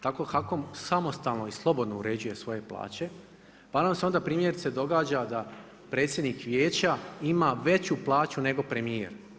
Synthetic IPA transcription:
t̪ako̞xakomsamo̞st̪alˠno̞islˠo̞bod̪no̞uɾe̞ːd͡ʑuje̞sʋo̞je̞plˠa̰ːt͡ɕe̞ | panamseo̞nd̪apɾiːmje̞ɾit̪se̞d̪o̞ɡaːd͡ʑad̪a | pɾet̪sjed̪nikʋjeːt͡ɕaimaʋe̞t͡ɕuplˠaːt͡ɕune̞ɡo̞pɾe̞miḛɾ

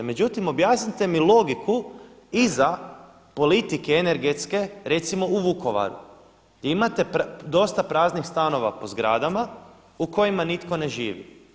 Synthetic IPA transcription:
me̞d͡ʒut̪imo̞bjaːsnit̪e̞milˠo̞ɡikʰu | iza | po̞lit̪ikeene̞ɾɡe̞t̪ske̞ɾe̞t̪simo̞uʋuko̞ʋa̰ɾṵ | ɡjeimat̪e̞d̪o̞st̪apɾaːznixst̪ano̞ʋa̰po̞zɡɾaːd̪ama | uko̞jimanit̪ko̞ne̞ʒiːʋḭ

